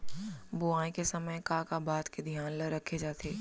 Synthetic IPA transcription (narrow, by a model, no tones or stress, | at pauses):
bʊãːĩkesɐməjkakabaːt̪ked̪ʱijaːnləɾɐkʰed͡ʒaːt̪ʰeː